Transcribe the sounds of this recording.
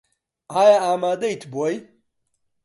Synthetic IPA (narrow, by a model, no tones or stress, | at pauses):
aːjaaːmaːd̪ɐit̪ʰboːj